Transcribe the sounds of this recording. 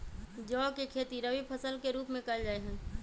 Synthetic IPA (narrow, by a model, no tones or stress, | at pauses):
d͡ʒɔːkekʰeːt̪iɾəʋipʰəsəlkeɾuːpmẽkɐld͡ʒaːeɦə̃